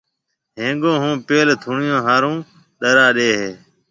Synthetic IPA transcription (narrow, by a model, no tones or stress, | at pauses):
ɦẽːɡõːɦũːpeːlt̪ʰuːɳɪjõːɦaːɾũː | ɗəɾaːɗeːɦeː